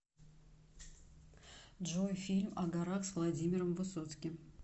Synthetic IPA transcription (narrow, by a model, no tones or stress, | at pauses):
dʐojfʲilʲmɐɡaɾɑχsvlˠadʲimʲɪɾəmvɨso̞t̪skʲɪm